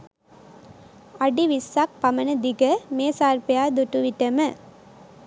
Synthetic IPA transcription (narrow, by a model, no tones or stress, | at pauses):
ɐɖiʋisːak̚pɐmɐnɐd̪iɡɐmeːsaːɾpejaːd̪uʈːuʋiʈːɐmɐ